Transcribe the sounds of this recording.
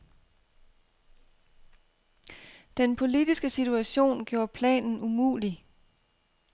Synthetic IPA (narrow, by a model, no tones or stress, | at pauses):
d̥enpʰo̝lid̥isɡ̥əsit͡sʰuæɕo̝̰ːnɡ̥jo̝ːɐpʰlɛ̰ːnn̩umṵːli